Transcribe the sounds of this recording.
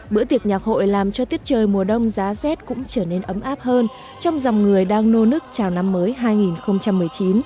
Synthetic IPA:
ɓɨ̰˧˥ət̪i˨˩ək̚ɲaː˨˩k̚ho̰˧˨jlaː˨˩mt͡ɕɔ˧t̪i˦˥ət̚t͡ɕəː˨˩jmu˨˩əɗə˧wŋ͡mzaː˨˦zɛ˦˥t̚kʊ̰˧˥ŋ͡mt͡ɕəː˧˩ne˧nʔə˨˦mʔaː˦˥p̚həː˧n | t͡ɕɔ˧wŋ͡mza˨˩wŋ͡mŋɨ˨˩əjɗaː˧ŋno˧nɨ˦˥ək̚t͡ɕaː˨˩wna˧mːəː˨˦jɦaː˧jŋi˨˩nxə˧wŋ͡mt͡ɕa˧mːɨ˨˩əjt͡ɕi˨˦n

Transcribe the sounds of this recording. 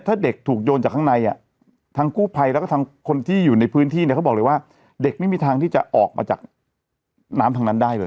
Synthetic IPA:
t̪ʰaː˥˩de˨˩k̚t̪ʰuː˨˩k̚joː˧nt͡ɕaː˨˩k̪̚ʰa˥ŋna˧jʔa̰˨˩ | t̪ʰaː˦˧˥ŋkuː˥˩pʰa˧jlɛ˦˥kɔː˥˩t̪ʰa˧ŋkʰo˧nt̪ʰiː˥˩juː˨˩na˧jpʰɯː˦˥nt̪ʰiː˥˩n˥˩kʰa˦˥wbɔː˨˩klɤː˧jwaː˥˩ | de˨˩k̚ma˥˩jmiː˧t̪ʰaː˧t̪ʰiː˥˩t͡ɕa˨˩ʔɔː˨˩k̚ma̰ː˧t͡ɕaː˨˩k̚ | naː˦˥mt̪ʰa˧ŋna˦˥ndaː˥˩jlɤː˧j

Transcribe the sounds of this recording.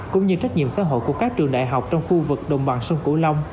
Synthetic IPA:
kʊ̰˧˥ŋ͡mɲɨ˧t͡ɕa˦˥k̟̚ɲḭ˧˨əmsa̰ː˧˥ɦo̰˧˨jku˧˩əkaː˦˥k̚t͡ɕɨ˨˩əŋɗa̰ː˧˨jɦa˨˩wk͡p̚t͡ɕɔ˧wŋ͡mxu˧vɨ˨˩k̚ɗə˨˩wŋ͡mɓa˨˩nsə˧wŋ͡mku˧˦la˧wŋ͡m

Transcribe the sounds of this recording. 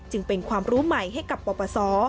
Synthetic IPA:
t͡ɕɯ˧ŋpe˧nkʰwaː˧mɾuː˦˥ma˨˩jɦa˥˩jka˨˩pːɔː˧pɔː˧sɔː˩˦

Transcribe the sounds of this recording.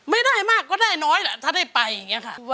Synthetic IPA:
ma˥˩jdaː˥˩jmaː˥˩kːɔː˥˩daː˥˩jnɔː˦˥jlɛ˧˩t̪ʰaː˥˩daː˥˩jpa˧ja˨˩ŋːi˦˥ɐkʰa˥˩a˧

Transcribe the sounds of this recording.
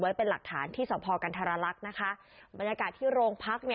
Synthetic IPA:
wa˦˥jpe˧nla˨˩k̚t̪ʰa̰ː˩˦nt̪ʰiː˥˩sɔː˩˦pʰɔː˧ka˧nt̪ʰaː˧ɾaː˧la˦˥k̚na˦˥kʰa˦˥ | ba˧njaː˧kaː˨˩t̪ʰːiː˥˩ɾoː˧ŋpʰa˦˥k̚ni˥˩

